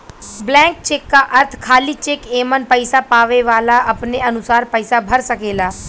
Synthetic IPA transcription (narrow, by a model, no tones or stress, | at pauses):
blɛ̃ːŋk̚t͡ʃeːkːaʔɐɾt̪ʰkʰaːlit͡ʃeːkeːmənpəɪsapaːʋeʋaːlaɐpneɐnʊsaːɾpəɪsabʱɐɾsɐkeːlaː